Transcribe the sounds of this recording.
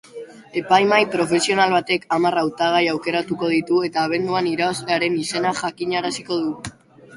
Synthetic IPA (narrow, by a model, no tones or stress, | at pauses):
e̞pajmajpɾo̞fe̞sio̞nalβat̪e̞kamarawt̪aɣ̞ajawke̞ɾat̪uko̞ð̞it̪ue̞t̪aːβ̞e̞nd̪uaniɾaasleaɾe̞nise̞naʝakiɲaɾasiko̞ð̞u